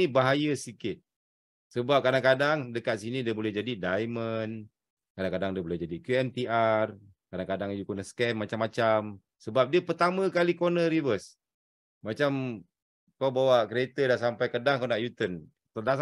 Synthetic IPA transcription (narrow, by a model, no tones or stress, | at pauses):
ibaɦajəsikɪt̪̚ | səbap̚kadaŋkadaŋdəkat̪̚sinidiəbolɛhd͡ʒadidajmən | kadaŋkadaŋdiəbolɛhd͡ʒadikjuɛmt̪iar | kadaŋkadaŋjukonəskɛmːat͡ʃamːat͡ʃam | səbap̚diəpərt̪amə̃kalikonəɾivəs | mat͡ʃam | kawbawakɾiet̪ədasampajkədaŋkawnaʔjut̪ən | t̪ərdas